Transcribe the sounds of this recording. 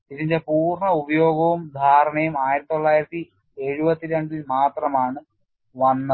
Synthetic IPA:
iðinde̞puːrɳɐubɐjo̞ːɡɐʋumd̪ʱaːɾɐɳɐjumaːjiɾɐt̪ːit̪ːoɭːaːjiɾɐt̪ːi | eɻubɐt̪ːiɾeɳɖilmaːt̪rɐmaːɳɨ | ʋɐnːɐ

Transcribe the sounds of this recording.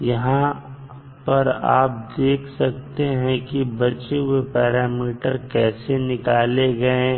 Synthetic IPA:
jɐɦã | pɐɾa̰ːp̚d̪eːkʰsɐk̚t̪eɦɛ̃kibɐt͡ʃeɦʊepɛːɾaːmiːʈəɾkɛːsenɪkaːleɡɐẽ

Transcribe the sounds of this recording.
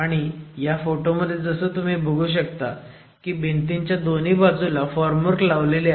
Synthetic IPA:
aɽ̃ijafoʈoməd̪ʱːjed͡zəsəːt̪um̤iːbʱəɡʱuːɕ̬əkt̪a | kiːbent̪iɲt͡ɕjad̪oniːbad͡zulafɔɾməɾklaʋlele

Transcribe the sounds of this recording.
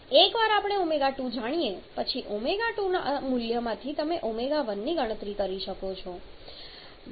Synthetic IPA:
ekʋaɾapɽ̃eumeɡaʈud͡ʒaɽ̃ijepət͡ʃʰiʔumeɡaʈuna̰ʔmuljəmãt̪ʰit̪əmeʔumeɡaʋənːiɡʱəɽ̃ət̪ɾikəɾiʃəkot͡ʃʰo

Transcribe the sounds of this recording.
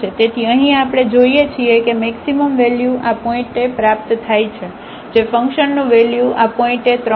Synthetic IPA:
et̪et̪ʰiəɦĩapɽ̃ed͡ʒoiet͡ʃʰiekemɛksiməmʋeljuʔapɔĩʈepɾap̚t̪t̪ʰajt͡ʃʰe | d͡ʒefə̃ŋkʃənːũʋeljuʔapɔĩʈet̪ɾə

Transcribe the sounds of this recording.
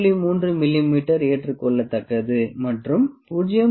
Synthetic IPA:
ɭimuːndrɯmɪlːimiːʈːɐɾeːʈrɯkɔɭːɐt̪ːɐkːɐðɯmɐʈrɯmʊd͡ʒɐjɐ

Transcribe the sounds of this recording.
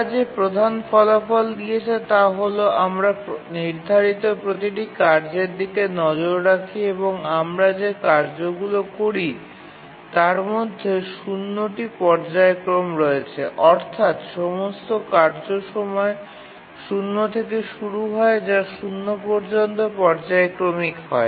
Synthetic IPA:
d͡ʑepɾod̪ʱanfɔlafɔld̪iet͡ɕʰet̪aɦoloamɾaniɾd̪ʱaɾit̪opɾot̪iʈikaɾd͡ʑeɾd̪it̪enɔd͡ʑoɾːakʰieβoŋamɾad͡ʑekaɾd͡ʑoɡulokoɾi | t̪aɾmod̪ʱːeʃunːoʈipɔɾd͡ʑaekɾomɾoet͡ɕʰḛʔɔɾt̪ʰat̪ʃɔmost̪okaɾd͡ʑoʃɔmɔe | ʃunːot̪ʰekeʃuɾuɦɔed͡ʑaʃunːopoɾd͡ʑont̪opɔɾd͡ʑaekɾomikɦɔe

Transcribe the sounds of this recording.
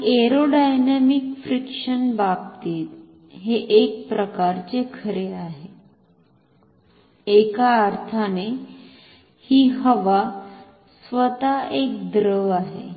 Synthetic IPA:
eɾoɖajnamikfɾikʂənbab̚t̪iːt̪ | ɦeʔek̚pɾəkaɾt͡ɕekʰəɾeaɦe | ekaːɾt̪ʰane | hiːɦəʋa | sʋət̪aek̚d̪ɾəaɦḛ

